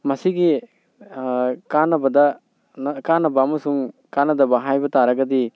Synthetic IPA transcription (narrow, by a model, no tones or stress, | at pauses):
mɐsiɡi | kanɐbɐd̪a | kanɐbamɐsuŋkanɐd̪abaɦajbɐt̪aɾɐɡɐd̪i